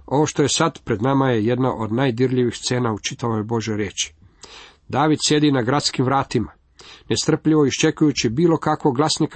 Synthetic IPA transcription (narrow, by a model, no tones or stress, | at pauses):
o̞ʋo̞ʃt̪oje̞sad̪pɾe̞d̪namaje̞je̞d̪naʔo̞d̪najd̪iɾʎiʋixst̪se̞ːnaut͡ʃit̪aʋojbo̞ʒjoɾje̞ːt͡ʃi̥ | d̪aːʋid̪sje̞d̪inaɡɾat̪skimʋɾaːt̪ima | nest̪r̩pʎiʋo̞iʃt͡ʃe̞kujut͡ɕibiːlo̞kakʋoɡlˠasnik